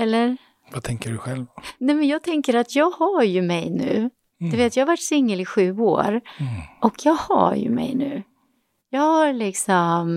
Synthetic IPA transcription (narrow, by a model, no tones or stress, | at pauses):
ɛlːəɾ | vat̪ʰɛŋkəɖɵɧɛlvnɛmɛnjɑːɡ̚t̪ʰɛŋkəɾat̪jɑːɡhaɾjɵmɛjnʉ̟̰ː | d̪ɛveːt̪jɑːhavaʈːsɪŋːəlɪɧʉ̟ːo̰ːɾʔɔkʰjɑːɡha̰ɾjɵ̰mɛ̰jnʉ̟̰ː | jɑːɡhaɾlɪksɔm